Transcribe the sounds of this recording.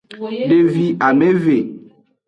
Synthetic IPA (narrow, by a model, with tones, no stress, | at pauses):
ɖe˨vi˨a˨mẽ˦ve˨